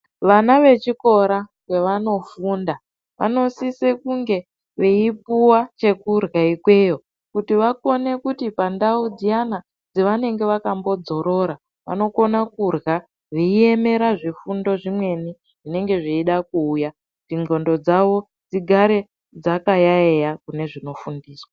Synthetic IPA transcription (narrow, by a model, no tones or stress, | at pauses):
ʋanaʋe̞t͡ʃiko̞ɾakwe̞ʋano̞fuːnda | ʋa̰no̞sisekuŋɡe̞ | ʋeip̚uwat͡ʃe̞kurɣaikwe̞ːjo̞ | kutiʋako̞ne̞kutipandaud͡zijana | d͡zeʋane̞ŋɡe̞ʋakambo̞d͡zo̞ɾo̞ɾa | ʋa̰no̞ko̞nakurɣa | ʋeie̞me̞ɾaʐifundo̞ʐimwe̞ni | ʐ̥ine̞ŋɡe̞ʐiiɗakuːja | ʐiŋɡo̞ndo̞d͡zaʋo̞ | d͡ziɡʱaɾe̞ | d͡zakajaejakune̞ʐino̞fundiːswa